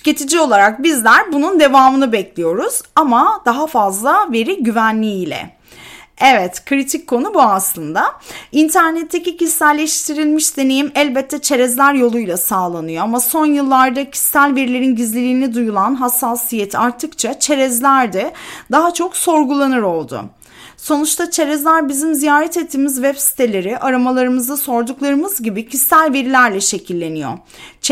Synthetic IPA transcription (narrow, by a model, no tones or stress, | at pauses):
cet̪ʰid͡ʒio̞lˠaɾak̚bizlʲæɾbunund̪e̞vaːmɯnɯbɛclʲijo̞ɾuz̥amad̪̥aɦafazlˠave̞ɾiɟyvænlʲiilʲɛ̰ | ɛvɛt̪kʰɾit̪ʰicʰːo̞nubuaslˠɯnd̪aint̪ʰæɾnɛt̪ʰːecicʰisːælʲːeʃt̪ʰiɾilʲmiʃd̪e̞ne̞jimɛlʲbɛt̪ʰːɛt͡ʃʰe̞ɾɛzlʲæɾjo̞lˠujlˠasaːlˠanɯjo̞amaso̞njɯlˠːaɾd̪acʰi̥sːælʲveɾilʲeɾinɟizlʲilʲiːnid̪ujulˠanɦasːaːsijɛt̪ʰaɾt̪ʰɯkt͡ʃʰat͡ʃʰe̞ɾɛzlʲæɾd̪ɛd̪aɦat͡ʃʰo̞kso̞ɾɡulˠanɯɾo̞lˠd̪ʊ̰ | so̞nut͡ʃt̪ʰat͡ʃʰe̞ɾɛzlʲæɾbizimzijaːɾɛt̪ɛt̪ʰːiːmizvɛbsi̥t̪ʰe̞lʲe̞ɾɪʔaɾamalˠaɾɯmɯzd̪aso̞ɾd̪uklˠaɾɯmɯzɟibicʰisːælʲve̞ɾilʲæɾlʲɛʃe̞cʰilʲːe̞nijo̰